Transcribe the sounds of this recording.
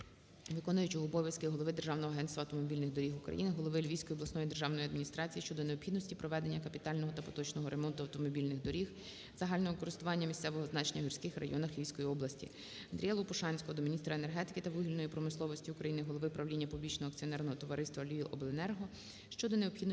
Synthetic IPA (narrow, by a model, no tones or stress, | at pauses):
ʋɪkɔnʊjʊt͡ʃʲjɔɦɔːbɔʋʲjɐskɪɦɔlˠɔʋɪd̪erʒɑwnɔɦɔɐɦɛnt̪st̪ʋɐwt̪ɔmɔbʲilʲnɪɣd̪ɔɾʲixʊkɾɐ̰jinɪɦɔlˠɔʋɪlʲʋʲijsʲkɔjiɔblˠɐsnɔjid̪erʒɑwnɔjɐd̪minʲist̪ɾɑt͡sʲijiʃt͡ʃɔd̪ɔneɔpxʲid̪nsʲtʲipɾɔʋɛd̪e̞nʲːɐkɐpʲit̪ɑlʲnɔɦɔt̪ɐpɔ̥t̪ɔt͡ʃnɔɦɔɾʔemɔnt̪ʊɐwt̪ɔmɔbʲilʲnɪɣd̪ɔɾʲix | z̥ɐɦɑlʲnɔɦɔɪkɔɾɪst̪ʊʋɑnʲːɐmʲisʲsɛʋɔɦɔznɑt͡ʃenʲːɐɦʲirʲsʲkɪxrɐ̰jɔnɐxlʲijsʲkɔjiɔblˠɐsʲtʲḭ | ɐnd̪ɾʲijɛlˠɔpʊʃɑnʲsʲkɔɔd̪ɔmʲinʲist̪ɾɐene̞rɦɛt̪ɪ̥kɪt̪ɐʋɪɦʲilʲnɔjipɾɔmɪslˠɔʋɔsʲtʲiukɾɐjinɪɦɔlˠɔʋɪpɾɐʋlʲinʲːɐpublʲit͡ʃnɔɦɔɐkt͡sʲiɔnɛrnɔɦɔt̪ɔʋɐɾɪst̪ʋɐlʲʋʲiʔɔblˠenɛrɦɔ | ʃt͡ʃɔd̪ɔneɔpxʲid̪n